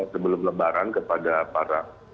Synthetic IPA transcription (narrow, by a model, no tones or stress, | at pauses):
səbəlʊmləbaɾankəpadapaɾa